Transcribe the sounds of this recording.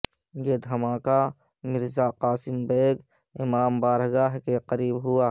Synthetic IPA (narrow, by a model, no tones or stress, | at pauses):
jed̪ʱɐmaːka | mɪɾzaqaːsɪmbeːɡ | ɪmaːmbaːɾɡaːɦkeqəɾiːbɦʊaː